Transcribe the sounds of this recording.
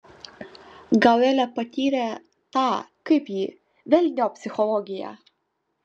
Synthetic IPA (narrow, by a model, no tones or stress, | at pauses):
ɡɐlɛlʲɛpɐt̪ʲiːɾʲɛ | t̪ɑːkɐɪpjiː | ʋʲɛlʲnʲoːpʲsʲɪxɔlˠɔːɡʲɪjæ̰ː